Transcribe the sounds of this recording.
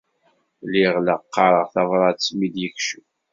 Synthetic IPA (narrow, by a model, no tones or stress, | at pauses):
liʁləqːɑɾˤəʁθɑvɾˤɑt͡sːmid̪jəçʃu